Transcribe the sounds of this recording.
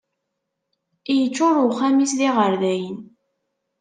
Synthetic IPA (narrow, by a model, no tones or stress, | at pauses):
ijət͡ʃːʊɾʊχːæmisðiʁəɾðæjən